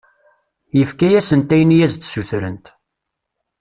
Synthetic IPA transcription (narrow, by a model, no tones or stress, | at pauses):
jəfkæjæsənt̪æjənjæzt̪suθɾə̰nt̪